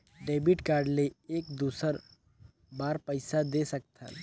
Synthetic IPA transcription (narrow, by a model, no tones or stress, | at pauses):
ɖeːbiʈkaːɾɖleeːkd̪uːsəɾ | baːɾpəɪsad̪esək̚t̪ʰa̰